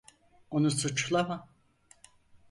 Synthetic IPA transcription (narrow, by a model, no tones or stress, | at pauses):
unusɨt͡ʃlama